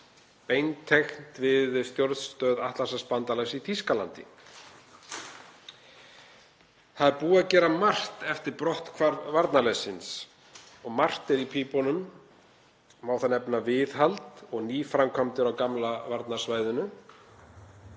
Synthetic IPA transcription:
pejnt̪ʰexn̥t̪vɪðst̪jowɾt̪st̪œːðaht̪lasaspant̪alasit̪ʰiskala̰nt̪ɪ̰ | θaðɛɾpuːaðcɛːɾamar̥t̪ɛft̪ɪɾpɾɔht̪kʰvaɾvaɾt̪nalɛsɪns | ɔɣmar̥t̪ɛɾipʰipɔnʏm | aːwθanɛpnavɪðɦalt̪ɔɣniːfɾamkʰamt̪ɪɾawkamlavaɾt̪nḁsvaːjðʏnʏ

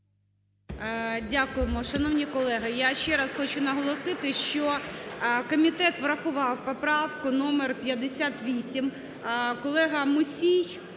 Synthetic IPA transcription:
dʲakʊjemɔʃɐnɔwnʲikɔlˠɛɦɪjaʃt͡ʃɛɾɐsxɔt͡ʃʊnɐɦɔlˠɔsɪt̪ɪʃt͡ʃɔ | kɔmʲit̪ɛt̪ʋɾɐxʊʋɑwpɔpɾɑwkʊnɔmerpʲjɐd̪esʲat̪ʋʲisʲim | kɔlˠɛɦɐmʊsʲij

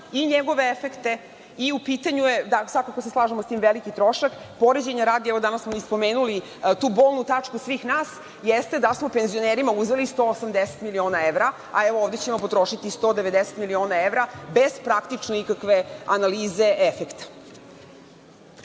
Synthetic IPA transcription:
iɲeɡo̞ʋe̞efekt̪e | iupiːt̪aɲuje̞d̪asʋakakoseslˠaːʒemost̪iːmʋelikit̪ɾo̞ʃak | po̞ɾed͡ʑeɲaɾaːd̪iɛʋo̞d̪anasmoispo̞meːnuli | t̪uːboːlˠnut̪at͡ʂkusʋiːxnaːs | jest̪e̞d̪asmo̞penzio̞neɾimauzʋelist̪oosamd̪eset̪milio̞ːnaeʋɾa | a̰eʋooʋvd̪et͡ɕe̞mo̞po̞t̪ɾo̞ʃit̪ist̪o̞ːd̪eʋe̞d̪ese̥t̪milio̞ːnae̞ʋɾabez̥pɾakt̪it͡ʂnoikakʋe̞analiːze̞ʔefekt̪ḁ

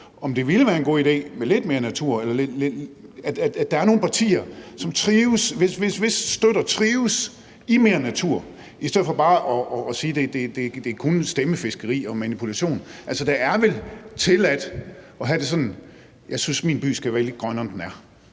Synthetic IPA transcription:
ɒ̽md̥e̝ʋiləʋæːɐe̝nɡo̝̰ːid̥e̝̰ːmele̝d̥me̝ːɐnæt͡sʰuɐ̰elɐle̥le̥æ̥æ̥d̥ɑ̈æɐno̝ːn̩pʰɑ̈t͡sʰḭːɐsɒ̽mt͡sʰʁiːʊsʋesʋe̝sʋe̝sːd̥ød̥ɐt͡sʰʁiːʊs | ime̝ːɐnæt͡sʰuɐ̰ | isdeð̩ˠfɒ̽b̥ɑ̈ːʔɒ̽ɒːsiːd̥e̝d̥e̝d̥e̝d̥e̝kʰunsd̥eməfe̝sɡ̥əʁḭːɒ̽mænipʰulæɕo̝̰ːnʔælsɒd̥ɑæɐʋelt͡sʰe̝læd̥ɒ̽ɦæɾ̥e̝s̬ɒ̽nn̩ | jɑ̈ɪsynsminb̥y̰ːsɡ̥æʋæɐle̝d̥̚ɡ̥ʁɶnɐɒmd̥enæɐ

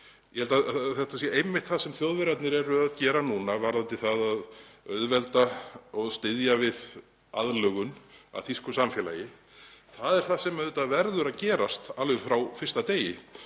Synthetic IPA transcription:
jʔɛhɛlt̪aθɛht̪asjɛejmɪht̪θaðsɛmθjowðvɪɾat̪nɪɾɛɾʏaðcɛːɾanuːnavaɾðant̪ɪθaðaðœðvɛlt̪aɔɣst̪ɪðjavɪð | a̰ðlœːɣʏna̰θiskʏsamfjɛla̰jɪ | θaðɛɾ̥θasɛmɛðʏːt̪avɛɾðʏɾaðcɛːɾast̪alʏɾfɾawfɪ̥st̪at̪eːjɪ

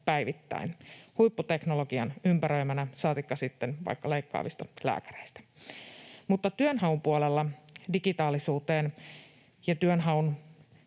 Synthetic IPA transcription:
pæijʋit̪ːæ̰inhujpːut̪e̞knolo̞ɡ̥iɑnympæɾøimænæsɑːt̪ikːɑsit̪ːenʋɑ̰ikːɑle̞ikːɑ̰ːʋist̪ɑlæ̰ːkæ̥ɾeist̪æ̥ | mut̪ːɑt̪yønɦɑumpuolelːɑdiɡit̪ɑːlisuːt̪eːn | jɑt̪yønɦɑun

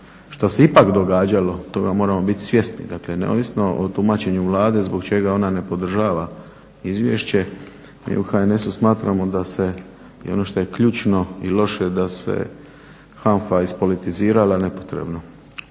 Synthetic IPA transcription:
ʃt̪ase̞ipakd̪o̞ɡaːd͡ʑalo̞t̪o̞ɡamo̞ːɾamo̞bit̪i̥sʋje̞st̪nḭd̪akle̞nḛo̰ːʋisno̞ʔot̪umaːt͡ɕe̞ɲuʋlˠaːd̪e̞zbo̞kt͡ʃe̞ɡao̞nane̞po̞d̪r̩ʒaːʋa | izʋjḛʃt͡ɕe̞ | mḭuxaene̞susmaːt̪ɾamo̞d̪ase̞ | ḭo̞no̞ʃt̪o̞jekʎuːt͡ʃno̞ilo̞ʃe̞d̪ase̞̰ | xanfaispo̞lit̪iziːɾalane̞po̞̥t̪ɾe̞̰bno̞

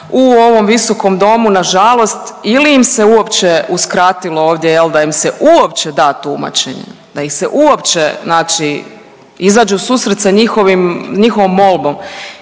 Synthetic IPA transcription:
uo̞ʋo̞mʋiso̞ko̞md̪o̞munaʒalˠo̞st̪iliːmseuo̞pt͡ʃeuskɾat̪ilo̞oːʋd̪je̞jeld̪aimseʔuopt͡ʃed̪aːt̪uma̰t͡ʃḛɲḛ | d̪̥aixseʔuopt͡ʃeznaːt͡ʃi | izaːd͡ʒeusuːsɾet̪saɲixoʋimɲixoʋomːo̞lˠbo̞m

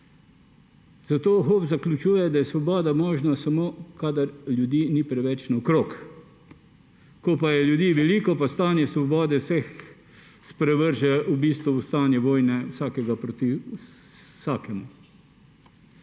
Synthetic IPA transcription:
zat̪oːxoːbzaklʲut͡ʃuːjɛd̪ajɛsʋɔbɔːd̪amɔːʒnasamoːkaːd̪aɾlʲjud̪iːnipɾɛʋɛt͡ʃnawkɾoːk | kɔpajɛljud̪iːʋɛliːkɔpast̪aːnjɛsʋɔbɔːd̪ɛwsɛx | spɾɛʋəɾʒɛubiːst̪ʋuːst̪aːnjɛʋoːjnɛwsaːkɛɡapɾot̪i | saːkɛmu

